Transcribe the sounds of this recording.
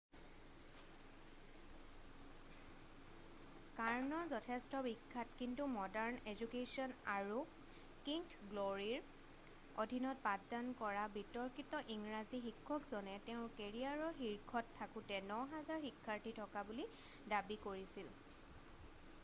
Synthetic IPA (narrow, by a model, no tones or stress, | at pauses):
kaɹnɔzɔtʰɛstɔbikʰːatkintumɔdaɹnezukesiɔnaɹu | kiŋtɡloɹiɹ | odʱinɔt̚padankɔɹabitɔɹkitɔʔiŋɹazixikʰːɔkzɔnɛteʊ̃keɹiaɹɔxiɹkʰɔtʰːakʊtɛnɔɦazaɹxikʰːaɹtitʰɔkabuli | dabikoɹisil